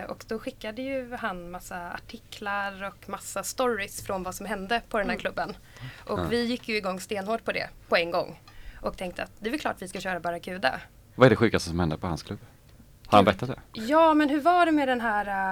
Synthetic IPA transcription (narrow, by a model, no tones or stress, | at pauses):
ʔɔ̰kd̪̥ɔɧɪkːad̪əjɵhanmasːaa̰ʈʰɪkʰːlaɾɔkmasːast̪ɔɾɪsfɾɔnvasɔmɦɛnd̪əpʰɔd̪ɛnhæːɾkʰlɵbːən | ʔɔkvɪjɪkːjɵɪɡɔŋːst̪eːnhoːʈ̚pʰɔd̪ɛ̰pʰɔɛŋɡɔ̰ŋːʔɔkt̪ʰɛŋk̚t̪əat̪̚d̪ɛvaɾkʰlɑ̰ːʈvɪskaɕœːɾabɑɾakʰʉ̟ːd̪a̰ | vaɛɖɛɧʉ̟ːkast̪əsɔmhɛnd̪əpɔha̰nskʰlɵbː | hahanbɾɛt̪ːat̪d̪ɛ̰jɑːmɛnɦɵɾvaɖɛmɛd̪ɛnɦæːɾa